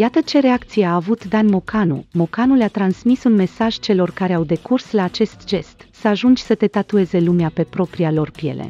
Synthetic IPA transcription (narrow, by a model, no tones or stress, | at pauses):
jat̪ət͡ʃe̞ɾeakt̪sijeaːvut̪d̪anmo̞kʰanṵmo̞kanuleat̪ɾansmisunme̞saʒ̥t͡ʃe̞lo̞rkaɾe̞awd̪e̞kurslaːt͡ʃe̞st̪ʒe̞st̪səaʒund͡ʒʲsət̪e̞t̪at̪ue̞ze̞lumeape̞pɾo̞pɾialo̞rpje̞̰lḛ